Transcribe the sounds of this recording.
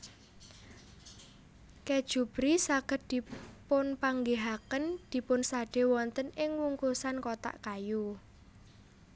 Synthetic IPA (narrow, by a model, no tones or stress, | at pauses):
ked̥ʒ̥ṳb̥ɾisaɡ̥ə̤t̪̚d̪̥i̤pʊnpaŋɡeɦakənd̪̥i̤pʊnsaɖ̥e̤wɔnt̪ənɪŋwuŋkusankot̪a̰ʔkaju